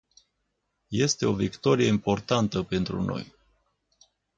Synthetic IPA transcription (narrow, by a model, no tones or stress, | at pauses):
je̞st̪e̞o̞vikt̪o̞ɾije̞impo̞rt̪ant̪əpe̞nt̪ɾṵno̞̰j